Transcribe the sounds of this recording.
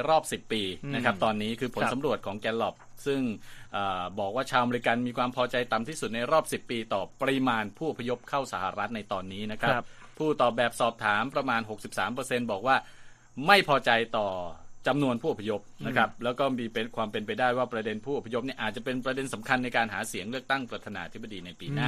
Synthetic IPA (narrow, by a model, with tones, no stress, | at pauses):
ɾɔː˥˩p̚si˨˩pːiː˧na˦˥kʰa˦˥p̚t̪ɔː˧nːiː˦˥kʰɯː˧pʰo˦n˨sa˩˦ɾu˨˩ət̪̚kʰɔː˩˦ŋkɛː˧˥nlɔ˨˩p̚sɯ˥˩ŋʔaː˨˩bɔː˨˩k̚waː˥˩t͡ɕʰaː˧wʔa˧me˧ɾi˧˥ka˧nmiː˧kʰwaː˧mpʰɔː˧t͡ɕa˧jt̪a˨˩mt̪ʰiː˥˩su˨˩t̪̚na˧jɾɔː˥˩p̚si˨˩pːiː˧t̪ɔː˨˩pɾi˧maː˧npʰuː˥˩ʔo˨˩pʰːa˧jo˦˥p̚kʰa˥˩wsa˩˦ha˨˧ɾa˦˥t̪̚na˧jt̪ɔː˧nːiː˦˥na˦˥kʰɾa˦˥pʰːuː˥˩t̪ɔː˨˩bɛː˨˩p̚sɔː˨˩p̚t̪ʰaː˩˦mpɾa˧maː˧nɦo˨˩k̚si˨˩p̚saː˩˦mpɤː˧se˧nbɔː˨˩k̚waː˥˩ | ma˥˩jpʰɔː˧t͡ɕa˧jt̪ɔː˨˩t͡ɕa˧mnu˧ənpʰuː˥˩ʔo˨˩pʰːa˧jo˦˥p̚na˦˥kʰɾa˦˥p̚lɛː˦˥wkɔː˥˩miː˧pe˧kʰwaː˧mpe˧npa˧jdaː˥˩jwaː˥˩pɾa˧de˧npʰuː˥˩o˨˩pʰːa˧jo˥p̚niː˥˩ʔaː˨˩t̪̚t͡ɕa˨˩pe˧npɾa˧de˧nsa˩˦mkʰa˧nːa˧jkaː˧nɦaː˩˦si˩˦əŋlɯ˥˩ək̚t̪a˥˩ŋpɾa˧t̪ʰaː˧naː˧ʔat̪ʰi˦˥ba˧diː˧na˧jpiː˧naː˥˩